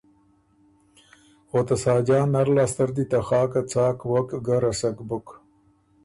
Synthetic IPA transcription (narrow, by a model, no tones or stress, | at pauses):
xot̪ɐsaːd͡ʑaːnɐɾlaːst̪ɐɾd̪it̪axɑːkat͡saːkwɐkɡaɾɐsɐkbʊk